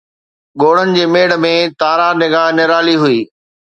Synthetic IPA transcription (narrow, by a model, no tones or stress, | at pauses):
ɠoːɽ̤ənɪ̆d͡ʑeːmeːɽə̆mẽt̪aːɾanɪɡaːɦnɪɾaːliɦʊiː